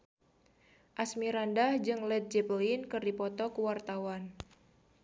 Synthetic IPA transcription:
ʔasmiɾandahd͡ʒɨŋlɛt̪̚d͡ʒɛplinkɨrdipɔt̪ɔkuwart̪awan

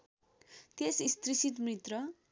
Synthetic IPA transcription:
t̪esist̪risit̪̬mrit̪rʌ

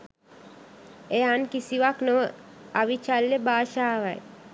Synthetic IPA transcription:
eankisiʋaknəaʋit͡ʃalːebaːʃaʋaj

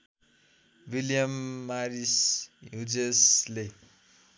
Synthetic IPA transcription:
wiljʌmːaɾisjud͡zesle

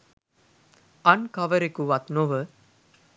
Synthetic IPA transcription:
ɐnkɐʋəɾekuʋat̪noʋə

